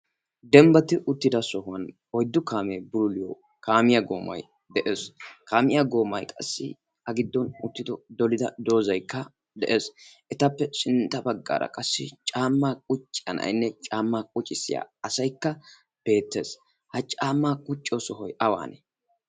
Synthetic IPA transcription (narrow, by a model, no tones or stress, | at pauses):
d̪ɛmbɐt̪ɪʔʊt̪ːɪd̪ɐsɔhʊɐn | ɔjd̪ːʊkaːmejbʊlʊlɪjɔ | kaːmɪjɐɡo̞̰ːmɐ̰j | d̪ɛʔe̞ːskaːmɪjaɡo̞ːmɐjkʼɐsːɪ̰ | ɐɡɪd̪ːɔnʊt̪ːɪd̪ɔd̪ɔlɪd̪ɐd̪o̞ːzɐjkːɐ | d̪ɛʔe̞ːsʔɛt̪ɐpːɛsɪnt̪ːɐbɐɡːa̰ːɾɐ̰kʼɐsːɪt͡ʃʼaːmːaːkʼʊt͡ʃʼːɪɐ̰nɐ̰jnːɛt͡ʃʼaːmːaːkʼʊt͡ʃʼɪsɪ̰ja̰ːɐsɐjkːɐ | b̥e̞ːt̪ːe̞ːs | hɐt͡ʃʼaːmːaːkʼʊt͡ʃʼːɔsɔɦɔjɐwa̰ːnɛ